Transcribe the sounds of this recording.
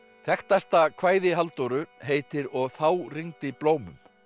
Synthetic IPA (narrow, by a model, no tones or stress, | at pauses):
θɛxt̪ast̪akʰvaːjðɪɦalt̪owɾʏɦeːjt̪ɪɾɔɣθawriŋt̪ɪploːwmʏ̰m